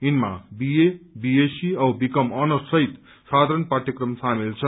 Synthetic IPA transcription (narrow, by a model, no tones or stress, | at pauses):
inmabiebiesiʌwbikʌmʌnʌsʌɦit̪ | sad̪ʱaɾʌnpat̪jʌkrʌmsamilt͡sʰʌ